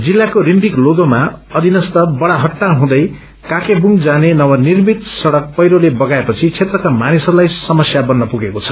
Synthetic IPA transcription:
d͡zilːakorimbikloɡomaʌd̪ʱinʌst̪ʌbʌɽaɦʌʈːaɦũd̪ʌj | kakebuŋɡd͡zanenʌwʌnirmit̪sʌɽʌk̚pʌjɾolebʌɡaepʌt͡sʰit͡sʰet̪rʌkamanisʌɾulajsʌmʌsjabʌnːʌpuɡekot͡sʰʌ̥

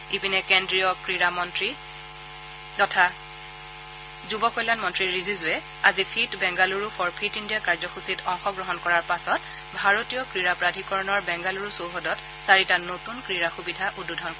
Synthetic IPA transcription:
ibinɛkendɹijɔkɹiɹamɔntɹi | tɔtʰa | zubɔkɔjlanmɔntɹiɹizizʊɛ | azipʰitbɛŋɡaluɹupʰɔɹpʰitindijakaɹzɔxusitɔŋxɔɡɹɔɦɔnkɔɹaɹpasɔt̚ | bʱaɹotijɔkɹiɹapɹadʱikɔɹɔnɔɹbɛŋɡaluɹusowxɔdɔt | saɹitanotunkɹiɹaxubidʱaʔududʱɔnkɔ

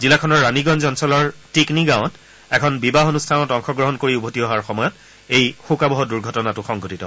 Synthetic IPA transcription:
zilakʰɔnɔɹːaniɡɔnzɔnsɔlɔɹtikniɡaʊ̃t | ɛkʰɔnbibaɦonustʰanɔtɔŋxɔɡɹɔɦɔnkoɹiubʱotiɔɦaɹxɔmɔjɔt | ejxukabɔɦɔduɹɡʱɔtɔnatʊxɔŋɡotitɔ

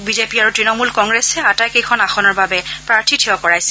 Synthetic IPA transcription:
bizepiaɹutɹinɔmulkɔŋɡɹɛsɛatajkejkʰɔnaxɔnɔɹbabɛpɹaɹtʰitʰiɔkɔɹajsɛ̥

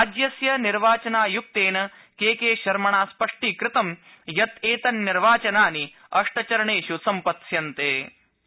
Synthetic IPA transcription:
aːd͡ʒjɐsjɐniɾʋaːt͡ʃɐnaːjuk̚t̪eːnɐ | keːkeːʃɐɾmɐɳaːspɐʂʈikɾɪt̪ɐm | jɐt̪eːt̪ɐnːiɾʋaːt͡ʃɐnaːni | ɐʂʈɐt͡ʃɐɾɐɳeːʃusɐmpɐt̪sjɐnt̪eː

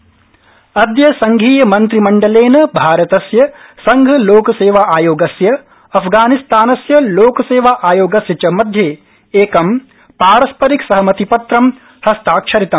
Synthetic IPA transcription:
ɐd̪jɐsɐŋɡʱiːjɐmɐnt̪ɾimɐɳɖɐleːnɐbʱaːɾɐt̪ɐsjɐsɐŋɡʱɐloːkɐseːʋaːʔaːjoːɡɐsjɐ | ɐpʰɡaːnist̪aːnɐsjɐloːkɐseːʋaːʔaːjoːɡɐsjɐt͡ʃɐmɐd̪ʱjeː | eːkɐm | paːɾɐspɐɾiksɐɦɐmɐt̪ipɐt̪ɾɐm | hɐst̪aːkʃʰɐɾit̪ɐm

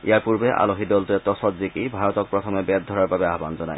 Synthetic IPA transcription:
ḭjaɹpuɹbɛʔa̰loɦidɔlt̪uɛt̪ɔsɔtzikibʱaɹɔt̪ɔk̚pɹɔt̪ʰɔmɛbɛd̪̚d̪ʱɔɹaɹbabɛaɦbanzɔna̰j

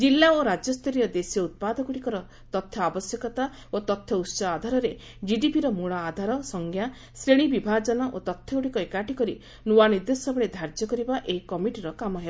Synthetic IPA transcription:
d͡ʒilːaoɾad͡ʒjɔst̪ʰɔɾijɔd̪esiɔut̪̚pad̪ɔkuɽikɔɾɔ | t̪ɔt̪ʰjɔabɔsjɔkɔt̪a | ot̪ɔt̪ʰjɔutsɔːd̪ʱaɾɔɾe | d͡ʒiɖipiɾɔmuɭaːd̪ʱaɾɔsɔŋɡʱja | sɾeɽ̃ibibʱad͡ʒɔnɔʔot̪ɔt̪ʰːjɔkuɽikɔekaʈikɔɾi | nuwaniɾd̪esɔbɔɭed̪ʱaɾd͡ʒɔkɔɾibaʔeikɔmiʈiɾɔkamɔɦe

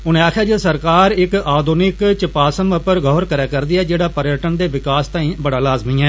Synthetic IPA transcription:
ʊnẽːaːkʰjaːd͡ʒesəɾkaːɾɪkaːd̪ʱunɪkt͡ʃəpaːsəməpəɾɡɔːɦɾkəɾɛːkəɾd̪iːɛːd͡ʒeːɽaːpəɾɪjəʈənd̪eːʋɪkaːst̪ãːĩːbəɽaːlaːzmiːɛː

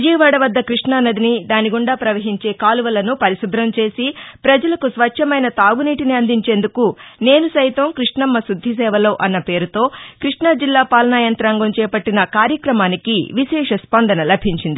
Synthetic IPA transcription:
d͡ʒiːʋaːɽɐʋɐd̪ːɐkɾiʂɳaːnɐd̪inid̪aːniɡuɳɖaːpɾɐʋɐɦiɲt͡ʃe̞ːkaːluʋɐlɐnupɐɾisud̪ʱɾɐmt͡ʃe̞ːsipɾɐd͡ʒɐlɐkusʋɐʃʰɐmɐjnɐt̪aːɡuniːʈiniɐnd̪ʱiɲt͡ʃe̞ːnd̪ukune̞ːnusɐjt̪ɐmkɾiʂɳɐmːɐsud̪ʱːis̬ɛːʋɐlo̞ːʔɐnːɐpe̞ːɾut̪o̞ːkɾiʂɳad͡ʒilːaːpaːlɐnaːjɐnt̪ɾaːŋɡɐmt͡ʃɛːpɐʈːinɐkaːɾjɐkɾɐmaːnikḭʋiʃɛːʂɐspɐnd̪ʱɐnɐlɐbʱiɲt͡ʃind̪i

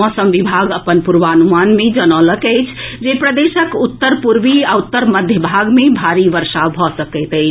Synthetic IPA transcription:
ɔ̃səmʋibʱaɡəpənpuɾʋanumanmed͡ʒənɔləkəɪt͡ʃʰd͡ʒepɾəd̪esəkut̪ːəɾpuɾʋiaut̪ːəɾməd̪ʱjəbʱaɡmebʱaɾiʋəɾsabʱɔsəkɛt̪əɪt͡ʃʰ

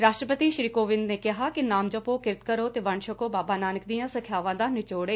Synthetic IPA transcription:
ɾaːʃʈɾəpət̪iːʃɾiːkoːʋɪ̃nd̪neːkɪɦaːkɪnaːmd͡ʒəpoːkɪɾɪt̪kəɾoːt̪eːʋəɳʃəkoːbaːbaːnaːnək̚d̪ijãːsəkʰjaːʋãːd̪aːnɪt͡ʃoːɽeː

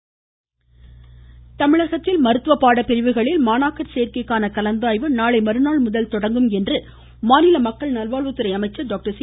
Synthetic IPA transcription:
t̪ɐmɪɭɐɣɐt̪ːɪlmɐɾɯt̪ːɯʋɐpːaːɽɐpɛɾɪʋɯɣɐɭɪlmaːnaːkɐɾsejɾkɐɪkːaːnɐkɐlɐnd̪aːjʋɯnaːɭɐɪmɐɾɯnaːɭmʊðɐlt̪ɔɽɐŋɡɯmɛndrɯ | maːnɪlɐmɐkːɐɭnɐlʋaːɭʋɯt̪ːɯɾɐɪɐmɐɪt͡ʃːɐɾɖoːk̚ʈɐɾs

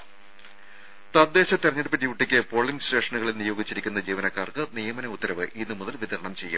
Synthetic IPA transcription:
t̪ɐd̪ːe̞ːɕɐt̪eɾɐɲːɐɽɨpːɐt̬ːiʋuʈːikʲːɨpo̞ːɭːiŋɡɕɾe̞ːʂɐɳuɣɐɭilnijo̞ːɡit͡ɕːiɾikʲːunːɐd͡ʑiːʋɐnɐkːaːrkɨnijɐmɐnɐut̪ːɐɾɐʋɨʔinːɨmuðɐlʋiðɐɾɐɳɐmt͡ɕe̞jːṵm

